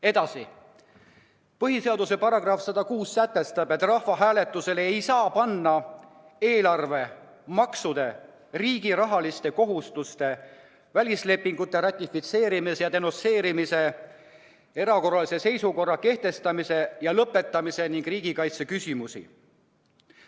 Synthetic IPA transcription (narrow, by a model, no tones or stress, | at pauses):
e̞d̪̥ɑsi | pɤɦise̞ɑd̪use̞pɑɾɑɡ̥rɑfsɑd̪ɑkuːssæt̪ːˑe̞st̪ɑbe̞t̪ːˑrɑhfɑɦæːle̞t̪ːˑuse̞lejsɑːpɑnːɑ | e̞ːlɑrve̞ | mɑksud̪e̞ | riːɡ̥iɾɑɦɑlist̪e̞ko̞ɦust̪ust̪e̞ | vælʲisle̞pːˑiŋɡ̥ut̪ːˑe̞ɾɑt̪ʲˑːifit̪se̞ːɾimisejɑt̪e̞no̞se̞ːɾimise̞ | e̞ɾɑko̞rɑlise̞se̞jsuko̞rːɑke̞ht̪e̞st̪ɑmise̞jɑlɤpːˑe̞t̪ːˑɑmise̞niŋɡ̥riːɡ̥ikɑjt̪sekysʲimusḭ